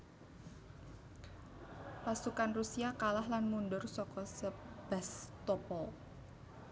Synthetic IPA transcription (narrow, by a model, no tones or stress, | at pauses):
pasukanrusiakalahlanmundʊrsɔkɔsəb̥ast̪ɔpɔ